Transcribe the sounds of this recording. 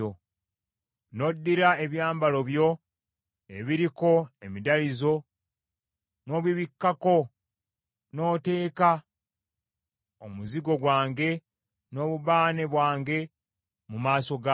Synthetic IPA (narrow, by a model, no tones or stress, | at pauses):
o | no̞dːiɾaeβjaːmbalo̞βjo̞ | eβiɾiko̞emidalizo̞ | no̞ːβiβikːako̞ | no̞ːte̞ːka | omuziɡo̞ɡwaːŋɡe̞ | no̞ːβuβaːne̞βwaːŋɡe̞ | mumaːso̞ɡa